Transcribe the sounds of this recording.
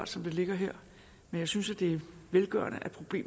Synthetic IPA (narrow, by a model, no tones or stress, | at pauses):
d̥sɒ̽md̥e̝le̝ɡ̥ɐɦeɐ̰ | menjɑ̈ɪsynsæd̥e̝æɐʋelɡ̥ɶ̰ɐ̰nəʔæpʰʁo̝b̥le̝̰ː